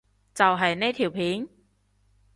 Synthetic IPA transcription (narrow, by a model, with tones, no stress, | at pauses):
t͡sɐ˨wɦɐ˨jne˥t̪ʰiː˨˩wpʰiː˨˥ŋ